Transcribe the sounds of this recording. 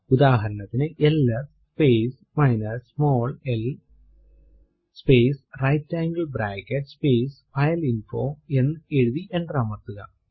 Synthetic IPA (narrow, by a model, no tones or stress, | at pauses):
ud̪aːɦɐɾɐnɐt̪ːinɨʔelːɐspeːs | mɐjnɐɾsmoːɭel | speːsrɐjtːaːŋɡɐɭbɾaːkːɐʈspeːsfɐjɐlinfoːe̞nːɨeɻuʋiʔe̞ɳɖraːmɐrt̪ːuɣɐ